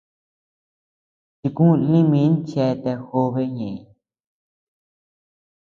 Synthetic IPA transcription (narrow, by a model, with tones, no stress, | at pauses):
t͡ʃi˧kũ˦lĩ˦mĩ˧˦nt͡ʃɛ˧˦˧t̪e˧xo˧βe˦ɲẽ˨ĩ˧